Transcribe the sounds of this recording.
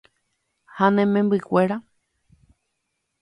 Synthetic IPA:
hanẽmẽmbɨkʷeɾa

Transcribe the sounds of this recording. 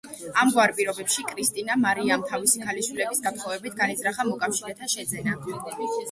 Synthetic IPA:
amɡwaɾpʼiɾɔbɛpʃikʼɾist̪ʼinamaɾiamt̪ʰavisikʰalisilɛbisɡat̪ʰχɔvɛbit̪ʰɡanizɾaχamɔkʼafʃiɾɛt̪ʰaʃɛd̪zɛna

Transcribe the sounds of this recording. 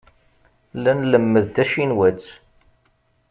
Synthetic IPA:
lænləmːəðd̪æʃinwæt͡sː

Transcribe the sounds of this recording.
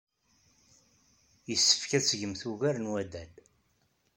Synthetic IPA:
jəsːə̥fkæt͡sːʝəmθuɣæɾnwæd̪æl

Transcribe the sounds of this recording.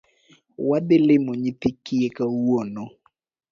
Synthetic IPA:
wad̪ɪlɪmoɲit̪ɪkɪjekawono

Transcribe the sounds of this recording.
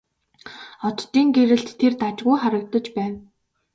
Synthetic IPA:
ɔt̪t̪ːiːŋɡeɾɘ̆ɬt̪ʰːert̪at͡ɕɢʊjχaɾə̆k̚t̪ɞ̆t͡ɕpæːn

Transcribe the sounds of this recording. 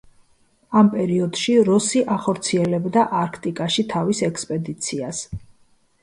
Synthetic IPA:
ampʼɛɾiɔd̪̥ʃiɾɔsiʔaχɔɾt̪sʰiɛlɛbd̪aʔaɾkʰt̪ʼikʼaʃit̪ʰavisɛkspʼɛd̪it̪sʰias

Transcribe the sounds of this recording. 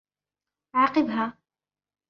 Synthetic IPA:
ʕaːqɨbɦaː

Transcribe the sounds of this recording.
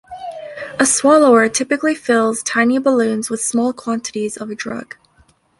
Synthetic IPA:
əswɑlˠoʊə˞tʰɪpɨklifɪlˠz̥tʰãɪ̃nibəlʉ̃nzwəð̥smɔlˠkʰw̥ɑ̃ntɨɾizʌvɨdɹʌ̰ɡ̥

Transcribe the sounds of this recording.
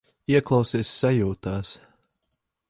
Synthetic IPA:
iɛklˠawsiɛsːajuːt̪aːs

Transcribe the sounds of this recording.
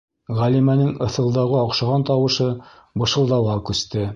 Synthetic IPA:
ʁælimænɘŋɤ̆θɤ̆lˠd̪ɑʁɤɑqʃɑʁɑnt̪ɑwɤ̆ʃɤ | bɤ̆ʃɤ̆lˠd̪ɑwɑkʉst̪ɘ

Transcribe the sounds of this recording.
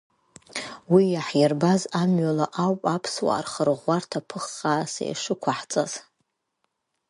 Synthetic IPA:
wijaħjarbazamɥalaʔawpʼapʰswa̰ːrχərʁʷartʰapʰɨχaːsḛj̰ʂɨkʷʰaħt͡sʼaz̥

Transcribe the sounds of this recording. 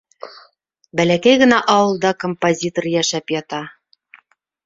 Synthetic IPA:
bælækæjɣɤ̆næʔɑwɤ̆lˠd̪ɑkompozʲit̪orjæʃæpjɑt̪ɑ

